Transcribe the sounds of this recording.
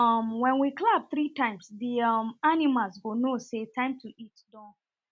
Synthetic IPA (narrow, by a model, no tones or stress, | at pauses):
ʌmwɛ̃nwiklab̚θɹitãɪ̃msdiʌmanimalsɡonosetãɪ̃mtuitdɔ̃